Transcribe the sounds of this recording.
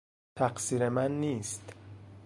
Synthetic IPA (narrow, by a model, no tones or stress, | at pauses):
t̪ʰæqsiːɾemænːiːst̪